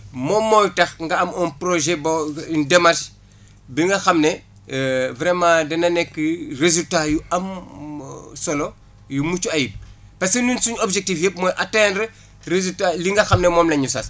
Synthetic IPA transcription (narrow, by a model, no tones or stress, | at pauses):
mɔmːɔːjtɐxŋɡɐɐmɔnpɾoʒɛbɐindɛmarʃ | biŋɡɐxɐmne | vɾɛmãːdɛnɐnɛkːərezultajuɐm | sɔlo | jumut͡ʃuɐjip̚ | pɐskenunsuɲobʒek̚tiːfjep̚mɔːjʔɐtɛnɾ | rezutaliŋɡɐxɐmnɛmɔːmlɐɲusɐs